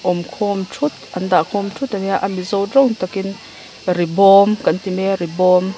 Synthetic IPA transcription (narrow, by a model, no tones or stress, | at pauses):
ʔɔmkʰɔmtʰut̪̚ʔɐnd̪aʔkʰɔmtʰut̪aniaʔamizɔwrɔŋt̪akin | ribɔmkɐnt̪imɛribɔm